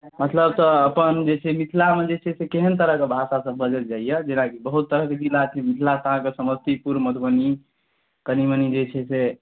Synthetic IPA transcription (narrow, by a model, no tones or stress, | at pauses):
mət̪ləbt̪ɔːpənd͡ʒet͡ʃʰɛmit̪ʰlamed͡ʒet͡ʃʰɛsekeɦənt̪əɾəɦkebʱasasəbːəd͡ʒət̪d͡ʒaijɛd͡ʒenakibəɦut̪ːəɾəɦked͡ʒilat͡ʃʰimit̪ʰlat̪aɦãkesəməst̪ipuɾmət̪ʰbəni | kənimənid͡ʒet͡ʃʰɛse